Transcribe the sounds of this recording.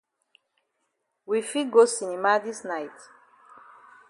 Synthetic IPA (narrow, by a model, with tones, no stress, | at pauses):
wifiɡo˦sini˨ma˦di˦snajt